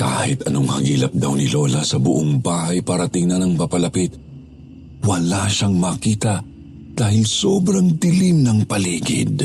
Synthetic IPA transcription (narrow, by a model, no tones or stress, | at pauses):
ka̰ːhɪt̪ɐnoŋhɐ̰ŋiːlɐp̚d̪ɐwnɪlo̞lɐsɐbʊʔoŋbaːhɐjpaːɾɐt̪ɪŋnɐnɐŋpɐpɐlɐpit̪̚ | wɐlaʃaŋmɐkiːt̪ɐ | d̪̥aːhɪlsobɾɐŋt̪ɪlimnɐŋpɐliːɡɪ̰d̪